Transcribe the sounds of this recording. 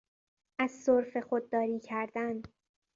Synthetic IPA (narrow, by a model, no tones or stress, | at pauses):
ʔæzsoɾfe̞xod̪̚ːɒːɾiːcʰæɾd̪æn